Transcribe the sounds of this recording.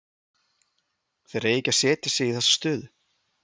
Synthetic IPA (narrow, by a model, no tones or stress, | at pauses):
θejɾejɪcḁsɛːt̪ɪsɛiθɛsːḁst̪ʏːðʏ